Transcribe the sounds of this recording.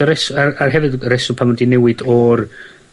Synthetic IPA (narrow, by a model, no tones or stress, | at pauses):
əɾɛsararɦɛvɨdɾɛsʊpʰamɔdinɛwɨdɔr